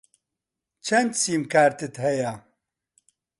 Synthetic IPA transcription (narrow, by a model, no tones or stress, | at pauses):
t͡ʃʰɐnd̪siːmkaːɾt̪ɨt̪ɦɛja